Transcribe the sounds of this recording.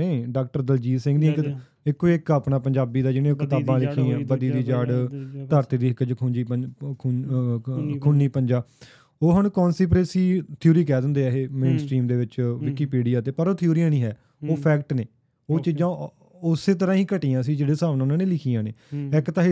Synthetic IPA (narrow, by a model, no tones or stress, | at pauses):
eːɖaːk̚ʈəɾd̪əld͡ʒiːsɪ̃ŋɡd̪ĩk | ɪkːoɪkəpnaːpəɲd͡ʒaːbiːd̪aːd͡ʒɪnẽːkʰət̪aːbãːlɪkʰːiːãːbəd̪iːd̪iːd͡ʒaːɖt̪əɾt̪iːd̪iːɪkːd͡ʒkʰʊ̃d͡ʒiː | kʰʊnːiːpəɲd͡ʒaː | oːɦəɳkɔːnsiːp̬ɾeːsiːt̪ʰjuːɾiːk̬ɛːd̪ə̃nd̪eːaɦeːmẽːnsʈɾiːmd̪eːʋɪt͡ʃʋɪkiːpiːɖijaːt̪eːpəɾoːt̪ʰɪuːɾiːãːnĩːɦɛː | oːpʰɛːkʈneː | oːt͡ʃiːd͡ʒãː | ʊseːt̪̬əɾãːɦiːkəʈiːãːs̬iːd͡ʒeːɽeːsaːʋnãːʊnãːneːlɪkʰiːãːneːɪkt̪aːɦ